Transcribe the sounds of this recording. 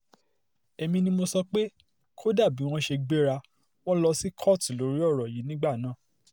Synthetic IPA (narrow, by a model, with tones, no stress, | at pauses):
ɛ˧mĩ˧nĩ˧mo˧sɔ˧k͡pe˦ | kʰo˦da˦˨bi˨˦w̃ɔ̃˧ʃe˧ɡ͡be˦ɾa˧ | w̃ɔ̃˦lɔ˧si˦kʰɔ˦˨ti˨lo˨˦ɾi˦ɔ˦˨ɾɔ˨ji˨˦nĩ˦ɡ͡ba˦˨nãː˦˨